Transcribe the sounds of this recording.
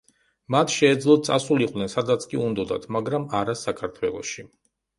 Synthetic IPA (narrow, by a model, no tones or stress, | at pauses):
mat̪ʰʃɛːd̪zlˠɔt̪̚t̪sʼasuliqʼw̪nɛnsad̪at̪sʰkʼiund̪ɔd̪a̰t̪ʰmaɡɾamaɾasakʰaɾt̪ʰwɛlˠɔ̰ʃi